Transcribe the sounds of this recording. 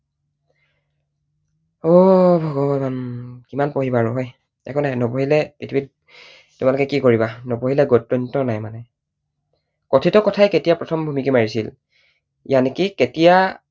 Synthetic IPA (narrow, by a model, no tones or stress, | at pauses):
ɔbʱɔɡɔbamankimanpoɦibaɹʊɦɔj | ɛ̰kɔnajnopoɦilɛpitʰibit̚ | tumalʊkɛkikoɹibanopoɦilɛɡɔtɹɔntɔnajmanɛ | kɔtʰitɔkɔtʰajketijapɹɔtʰɔmbʱumikimaɹisḭl | janekiketija